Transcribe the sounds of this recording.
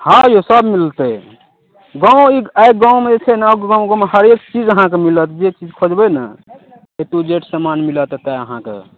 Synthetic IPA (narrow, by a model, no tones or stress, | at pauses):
hãjosəbmilt̪ɛ | ɡãũiaek̚ɡãwmed͡ʒet͡ʃʰɛnaɡãɡãmehəɾekt͡ʃid͡ʒəɦãkemilət̪d͡ʒet͡ʃid͡ʒkʰod͡ʒbɛnə̰ | et̪ud͡ʒeʈsəmanmilət̪t̪ɛəɦãkḛ